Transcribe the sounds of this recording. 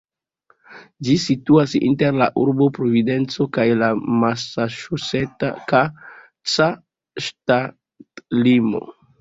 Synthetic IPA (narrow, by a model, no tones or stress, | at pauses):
d͡ʒisituasḭnte̞ɾla̰ʔuɾbo̞pɾo̞vide̞nt͡so̞kajlamasaʃuse̞ta̰ka | t͡sa | ʃta | tlimo̞̰